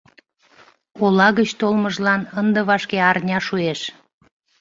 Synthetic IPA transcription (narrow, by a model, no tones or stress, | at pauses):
olɑɣət͡ɕt̪olməʒlɑnənd̪əβɑʃkeɑrnʲɑʃueʃ